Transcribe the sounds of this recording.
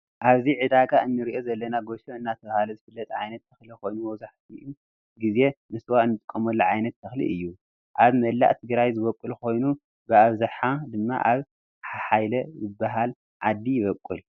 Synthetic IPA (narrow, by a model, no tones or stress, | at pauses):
ʔaβziʕɨd̪aɡaɨnːɨɾiʔo̞zɐlːɐnaɡoʃoɨnːat̪ʰɐβahalɐzɨfɨlːɐt̪ʼʕajnɐt̪ːɐxliko̞jnumɐwzaħt̪ʰiu | ɡize̞mɨswaɨnːɨt̪ʼɨkʼːɐmɐlːuʕajnɐt̪ːʰɐxlḭʔɨjːu | ʔaβmɐlːa̰ʔt̪ʰɨɡɾajzɨβɐkʼːulko̞jnu | bɨaβzɨħad̪ɨmːa̰ʔaβ | ħaħajlɐzɨbːaɦal | ʕad̪ːijɪβɐkʼːul